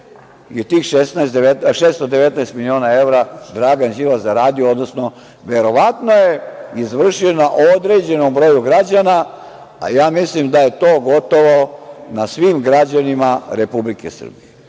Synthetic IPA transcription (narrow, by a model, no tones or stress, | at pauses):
jet̪iːxʃesnaesd̪eet̪ʃeːst̪od̪eʋet̪naest̪milio̞ːnae̞vɾad̪ɾaːɡanʒiːʋazaɾaːd̪ijood̪nosno | ʋe̞ɾo̞ʋat̪no̞jeizʋr̩ʃionaʔod̪ɾeːd͡ʑe̞nombɾo̞juɡɾad͡ʑana | a̰jaːmislimd̪aje̞t̪oːɡo̞t̪o̞ʋo̞nasʋiːmɡɾad͡ʑanimaɾepublikesr̩bije